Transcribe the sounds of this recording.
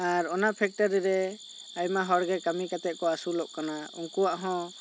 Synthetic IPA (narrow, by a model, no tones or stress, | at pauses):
aɾɔnapʰɛk̚ʈaɾiɾɛ | ajmaɦɔɽɡɛkamikat̪ɛt̪̚kɔasulɔʔkanaṵŋkuwaʔɦɔ̃